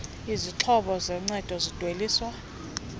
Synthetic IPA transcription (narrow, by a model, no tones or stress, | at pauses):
iziǁʰɔɓɔzɛŋ͡ǀɛd̥ʱɔzid̥ʱweliːswa